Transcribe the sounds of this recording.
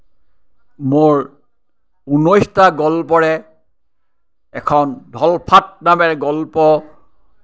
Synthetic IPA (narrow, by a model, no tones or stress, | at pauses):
moɹ | unɔjstaɡɔlpɔɹɛ | kʰɔndʱɔlpʰat̚namɛɹɡɔlpɔ